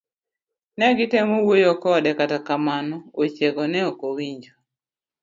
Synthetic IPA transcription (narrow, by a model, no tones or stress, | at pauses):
nɛɡɪtemowojokɔdɛkatakamanɔot͡ʃeɡɔnɛɔkowiɲd͡ʒo